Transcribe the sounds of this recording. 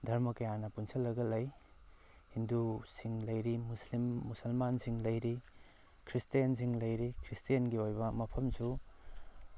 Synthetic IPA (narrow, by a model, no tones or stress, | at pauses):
dʱɐɾmɐkɐjanɐpunsɐlːɐɡɐlɐj | hindusiŋlɐjɾimuslimːusɐlmansiŋlɐjɾi | kʰɾistijɐns̬iŋlɐjɾikʰɾistijɐnɡiojbɐmɐpʰɐmsu